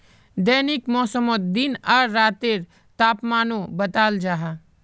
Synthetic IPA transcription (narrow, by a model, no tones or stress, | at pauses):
d̪əːnɪkmɔːsəmot̪̚d̪ɪnaɾːaːt̪eɾ | t̪aːpmaːnõbət̪aːld͡ʒaːɦa